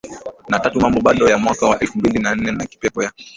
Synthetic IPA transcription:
natatumambɔɓaɗɔjamwakawaʔɛlfumbilinan̩nɛnaki̥pɛpɔja

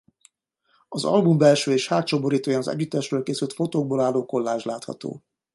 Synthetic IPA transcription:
ɒzɒ̰lbumbɛlʃøːeːʃhaːt̪t͡ʃoboɾiːt̪oːjanɒzɛ̰ɟːyt̪ːɛʃrøːlkeːsylt̪fo̞t̪oːɡ̚boːlaːlːoːko̞lːaːʒlaːt̪hɒ̰t̪o̰ː

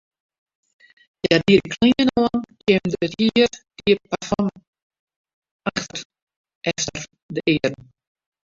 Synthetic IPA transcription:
jadiəəkʰlinənoənkʰjemdəəthiərd̥iəpafɔm | axtər | ʔɛftər | dəʔɪːərn

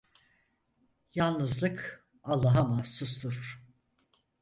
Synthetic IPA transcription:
jalˠnɯzlˠɯk | alˠːaɦamasust̪uɾ̥

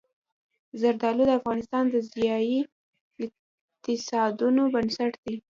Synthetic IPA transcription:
zaɾd̪ɑlud̪əafɣɑnɪst̪ɑnd̪əzjɑji | ɪ | t̪ɪsɑd̪unobənsaʈd̪i

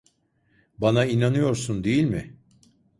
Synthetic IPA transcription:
banainanɯjo̞ɾsund̪ejilʲmɪ

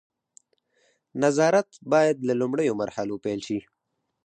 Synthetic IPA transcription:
nazɑɾat̪bɑjad̪lalʊmɽəjomaɾhalopɛjlʃi

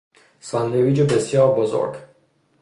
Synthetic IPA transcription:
sɒnd̪eviːd͡ʒobesjɒːɾbozo̰ɾɡ

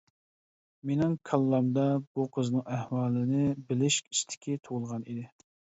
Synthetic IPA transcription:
menɪŋkʰɑlˠːɑmd̪ɑb̥uqʰəznɨŋæhwɑːlˠɨnɪbɪlɪʃʲi̥st̪ʰɪ̥kʲʰit̪ʰoʁʊlˠʁɑnid̪ɪ

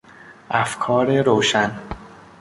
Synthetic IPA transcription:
ʔæfkʰɒːɾeɾoːʃæn

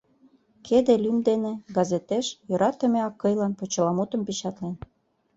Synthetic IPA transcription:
kʰed̪elymd̪eneɡɑzet̪eʃjø̆ɾɑt̪ĕmeɑkːɤ̆jlɑnpot͡ɕə̆lɑmut̪ə̆mpit͡ɕɑt̪len

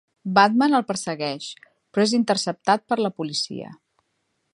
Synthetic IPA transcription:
bat̪mənəlˠpəɾsəɣɛʃ | pɾɔezint̪ərsəp̚t̪at̪̚pəɾləpulisḭə̰

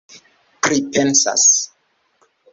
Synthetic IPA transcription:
pɾipʰɛnsa̰s

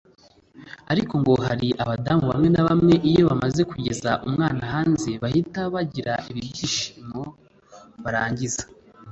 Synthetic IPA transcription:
aɾiko̞ŋɡo̞ɦaɾiʔaβadamuβa̰mŋe̞naβamŋe̞ʔijo̞βamaze̞kuɟe̞zaʔumŋaːnaɦaːnze̞βahitaβaɟiɾaʔiβiɟɟiʃi̥mo̞ | βaɾaːɲɟizḁ

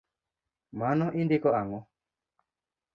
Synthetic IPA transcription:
manɔʔindikɔaŋɔ

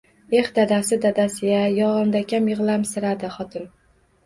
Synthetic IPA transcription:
e̞hd̪ad̪asɪd̪ad̪asɪjʲajɒʁɨmd̪akʲamjɨʁlˠamsɪɾad̪ɪχɒt̪ʰɪn

